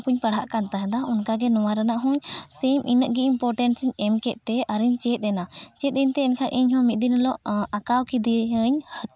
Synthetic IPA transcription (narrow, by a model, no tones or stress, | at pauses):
puɲpəɽɦaʔkant̪aɦɛ̃d̪aɔnkaɡɛnɔwaɾanaʔɦɔ̃ɲsemʔinəʔɡiʔimpɔɾʈɛnʈsiɲɛmkɛt̪̚t̪ɛaɾiɲt͡ʃɛt̪̚ˀɛnat͡ʃɛt̪̚ɛɲt̪ɛɛɲkʰanʔiɲhɔ̃mit̪̚d̪inlɔʔakawkid̪iɦəɲhə